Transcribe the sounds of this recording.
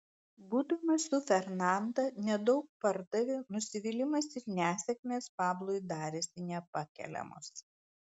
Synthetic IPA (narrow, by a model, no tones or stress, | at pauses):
buːd̪ɐmɐsʊfʲɛɾnɑˑnd̪ɐnʲɛd̪ɒʊk̚pɐɾd̪ɐʋʲɪnʊsʲɪʋʲɪlʲɪmɐsɪɾnʲæːsʲɛkʲmʲeːspɑːblˠoːjd̪ɑːɾʲesʲɪnʲɛpɐkʲɛ̰lʲɛ̰mʊ̰s